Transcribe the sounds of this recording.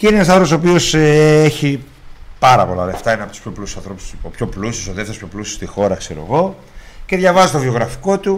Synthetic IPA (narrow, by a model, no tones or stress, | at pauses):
ceinenɐs̬ɐðθɾoposop̬io̞seeçi | pɐɾɐpo̞̰lɐ̰left̪ɐineɐpot̪u̥spço̞plusisɐnθɾo̞pu̥sopço̞plusisoðeft̪espço̞plusi̥st̪ixo̞ɾɐkse̞ɾo̞̰ɣo̞ | ce̞ðʝɐvɐzit̪ovio̞ɣɾɐfi̥ko̞t̪u